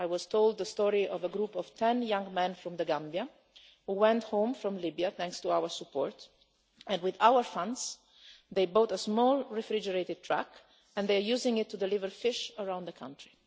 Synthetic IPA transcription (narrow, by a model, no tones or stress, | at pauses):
ajwɔz̥t̪old̪̚ðəst̪ɔɹiʔɔvəɡɾupɔv̥t̪ʰɛ̃njãŋmɛ̃nfɾɔ̃md̪əɡãmbja | huwɛ̃nthõmfɾɔ̃mlibiaθɛ̃ŋkst̪uawəɹsupːɔːɹt̪ | ɛ̃nwɪðawəɹfãnds | ðejbot̪əzmɔlɹɛfɾid͡ʒəɹeɪt̪ɪd̪̚t̪ʰɹæ̰k | ɛ̃nd̪ejəjuzɪ̃ŋɪt̪ːud̪ɛlɪvəɹfɪʃəɹãw̃nd̪əkʰã̰ntʰɹi